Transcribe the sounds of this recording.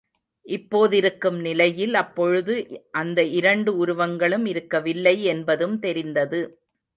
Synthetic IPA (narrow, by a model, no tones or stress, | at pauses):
ʔɪpːoːðɪɾɯkːɯmnɪlɐjɪlɐpːɔɻɯðɯʔɐnd̪ɐʔɪɾɐɳɖɯʊɾʊʋɐŋɡɐɭɯmɪɾɯkːɐʋɪlːɐɪɛnbɐðɯmt̪ɛɾɪnd̪ɐðɯ